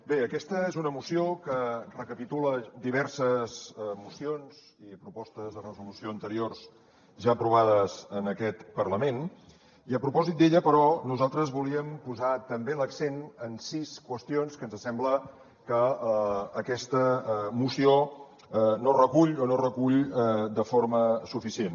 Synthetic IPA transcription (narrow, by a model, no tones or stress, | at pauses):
beəkɛst̪əezunəmusiokərəkəpit̪uləd̪iβ̞ɛɾsəzmusionz̥ | ipɾupɔst̪əzðərəzulusioənt̪əɾiorz | ʒaəpɾuβ̞aðəzənəkɛt̪pərləmen | iəpɾupɔzit̪̚d̪eʎəpəɾɔnuzalˠt̪ɾəzβuliəmpuzat̪əmbeləksenənsiskwəst̪ionskənzəsɛmblə | kəː | kɛst̪əmusio | norəkuʎonorəkuʎd̪əfoɾməsufisien